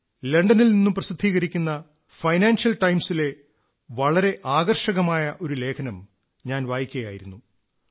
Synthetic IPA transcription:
le̞ɳɖɐnilninːumprɐsid̪ʱːiːɣɐɾikʲːunːɐ | fɐjnaːnsjɐlʈɐjmsile̞ | ʋɐɭɐɾe̞ʔaːɣɐrʂɐɣɐmaːjɐʔo̞ɾule̞ːkʰɐnɐm | ɲaːnʋaːjikʲːɐjaːjḭɾunːu

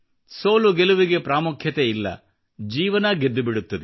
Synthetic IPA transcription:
so̞ːluɡeluʋiɡe̞pɾaːmukʰjɐt̪eilːɐ̰ | d͡ʒiːʋɐnɐɡed̪ːubiɽut̪ːɐd̪e

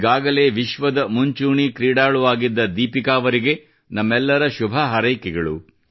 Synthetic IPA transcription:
ɡaːɡɐle̞ːʋiʃʋɐd̪ɐmuɲt͡ʃuːɳikɾiːɽaːɭuʋaːɡid̪ːɐd̪iːpikaːʋɐɾiɡe̞ | nɐmːɛlːɐɾɐʃubʱɐɦɐɾɐjkɛɡɐɭṵ

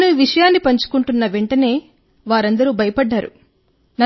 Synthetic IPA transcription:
nuʋiʂɐjaːnːipɐɲt͡ʃu̥kuɳʈunːɐʋeɳʈɐne̞ː | ʋaːɾɐnd̪ɐɾuːbʱɐjɐpɐɖːaːɾṵ | nɐ

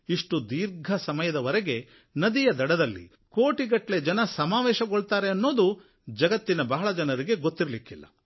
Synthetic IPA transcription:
iʂʈud̪iːɾɡʱɐsɐmɐjɐd̪ɐʋɐɾɛɡe̞ | nɐd̪ijɐd̪ɐɽɐd̪ɐlːḭ | koːʈiɡɐʈːle̞d͡ʒɐnɐsɐmaːʋɛːʃɐɡoɭt̪aːɾe̞ɐnːo̞ːd̪u | d͡ʒɐɡɐt̪ːinɐbɐɦɐɭɐd͡ʒɐnɐɾiɡe̞ɡot̪ːiɾɐlikilːɐ̰

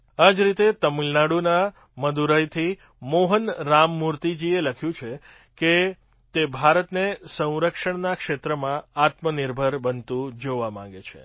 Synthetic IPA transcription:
ad͡ʒɾit̪et̪əmilnaɽuna | məd̪uɾəjt̪ʰi | moɦənɾamːuɾt̪id͡ʒieləkʰjũt͡ʃʰe | ke | t̪ebʱaɾət̪nesə̃w̃ɾəkʂəɳnakʃet̪ɾəmãat̪mənɪɾbʱəɾbənt̪ũd͡ʒoʋamã̰ŋɡet͡ʃʰḛ

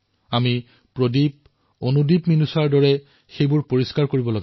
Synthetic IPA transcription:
ami | pɹodip̚ | onudipminusaɹdɔɹɛ | xejbʊɹpoɹiskaɹkoɹibɔloɡɛ

